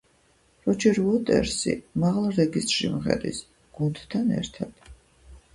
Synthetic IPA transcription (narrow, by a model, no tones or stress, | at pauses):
ɾɔt͡ʃʰɛɾɔt̪ʼɛ̰ɾsḭmaʁlˠɾɛɡist̪ʒimχɛ̰d̪ʼḭs | ɡ̥unt̪t̪ʰːanɛ̰ɾt̪ʰat̪